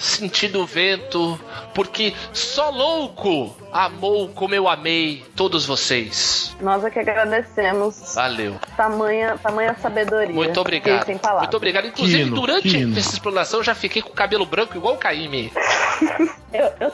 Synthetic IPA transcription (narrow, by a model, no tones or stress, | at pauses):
sẽt͡ʃid̪ʊvẽnt̪ʊpʊɾkɪsɔlowkʊ | amowkõmʊewamejt̪od̪ʊzvosejsnɔzakiaɡɾad̪esẽmʊsva̰lḛwt̪amɐ̃j̃ɐt̪amɐ̃j̃ɐsabed̪oɾimũj̃ɐt̪obɾiɡad̪sẽj̃pala̰ũvt̪obɾiɡad̪ʊĩkluzinvɪd̪uɾɐ̃nt͡ʃɪɛsɐɪsplɐ̃nasɐ̃w̃ʒafikejkõkabelʊbɾɐ̃kʊiɡwawkaimi | ewew